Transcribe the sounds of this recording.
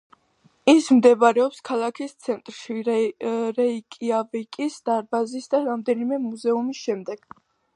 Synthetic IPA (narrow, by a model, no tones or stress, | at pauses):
ismd̪ɛbɾɛɔpskʰalˠakʰist̪sʰɛnt̪ʼɾʃi | ɾɛikʼiavikʼisd̪̥aɾbazisd̪aɾamd̪ɛnimɛmuzɛumisʃɛmd̪ɛɡ̥